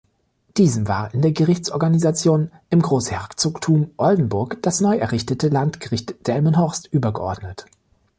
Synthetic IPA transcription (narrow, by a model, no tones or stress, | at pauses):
d̥iːzəmva̰ːʁɪndeːɐɡəʁɪçt͡sʔɔɐɡanizat͡sjoːn | ʔɪmɡʁoːshɛɐt͡soːktʰuːmʔɔldn̩bʊɐkd̥asnɔʏɛɐʁɪçtətʰəlantɡ̥əʁɪçtd̥ɛlmənɦɔʁstʔyːbɐɡəʔɔ̰ɐdnət